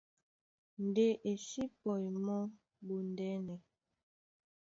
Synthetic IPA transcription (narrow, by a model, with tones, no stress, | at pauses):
n̩˨de˦ʔe˨ʃi˦pɔ˨jmɔ˦ | bu˨n˨dɛ˦nɛ˨